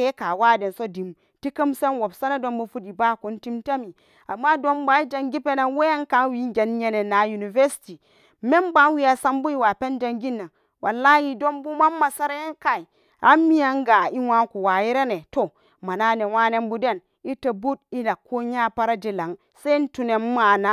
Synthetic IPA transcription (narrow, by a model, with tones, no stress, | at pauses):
e˦ka˨wa˦de˨nso˦di˨m | ti˦kɨ˦mse˦nwo˨bsa˦na˦do˦mbu˦fu˦di˨ba˦˨ku˨˦n˦ti˦mta˦mi˨ | a˨mːa˦do˦mba˨˦i˦d͡ʒa˨ŋɡi˦pe˦na˨nwe˦ja˦ŋka˨nwi˦ɡʲe˨nɲe˨ne˨na˨˦ju˨ni˨ve˦si̥˨ti˨ | me˦mba˦nwi˦a˨sa˦mbu˦i˦wa˨pe˦nd͡ʒa˨ŋɡi˦nːa˨n | wʔa˨lːa˦hi˨do˦mbu˦ma˦mːa˨sa˦ɾa˦ja˦ŋka˨i˨ | a˨˦mːi˦ja˦ŋɡa˨i˦wa˦ku˨wa˨ji˦ɾe˦ne˨to˨ | ma˨na˦ne˨wa˦ne˦mbu˦de˦˨n | i˦ta˨bu˦d̚i˦la˨kːo˦ɲa˦pa˦ɾa˦d͡ʒi˨la˨˦ŋ | se˦n̩˦tu˨ne˨mːa˨na˦